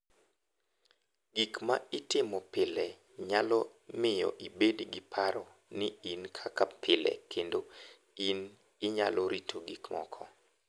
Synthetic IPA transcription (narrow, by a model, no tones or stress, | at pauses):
ɡikmaɪtɪmɔpɪlɛ | ɲalɔ | mɪjɔ̰ʔibedɡɪpʰaɾɔ | nɪinkʰakapɪlɛ̰kʰendo | in | ɪɲalɔɾitʰoɡikmɔ̰kʰɔ